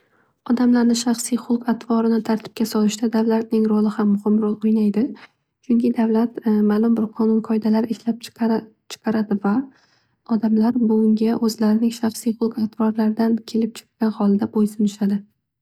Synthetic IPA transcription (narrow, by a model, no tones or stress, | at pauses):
ɒd̪amlaɾnɪʃɑχsijχʊlˠqat̪ʰvɒɾɪnɪt̪ʰaɾt̪ʰɪ̥p̚kʲasɒlɪʃd̪ad̪avlat̪̚nɪŋɾʊlˠɪhamːʊhɪmɾɒlˠojnajd̪ɪ | t͡ʃʰʊŋkʲʰɪd̪avlat̪maːlˠʊmbɪɾqʰɒnʊnqʰɒɪd̪alaɾɪɪʃlap̚ | t͡ʃʰɨ̥qʰɑɾad̪ɪva | ɒd̪amlaɾbʊʊŋɡʲaʔɵzlaɾɪnɪŋʃɑχsijχʊlˠqat̪ʰvɒɾlaɾɪd̪ankʲʰe̞lɪp̚t͡ʃʰɪ̥qkʲanχɒlˠɪd̪abojsʊnɪʃad̪ɪ